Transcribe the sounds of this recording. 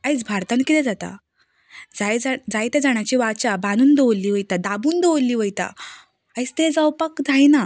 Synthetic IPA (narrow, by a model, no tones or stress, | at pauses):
ajt͡sbʱaɾt̪ankit̪ɛ̃d͡zat̪a̰ | d͡zajd͡zad͡zajt̪ed͡zaɳ̃at͡ɕiːʋat͡ɕabanuːnd̪eolːiːʋəjt̪ad̪abuːnd̪eolːiːʋəjt̪a̰ | ait͡st̪ed͡zəwpəkd͡zaina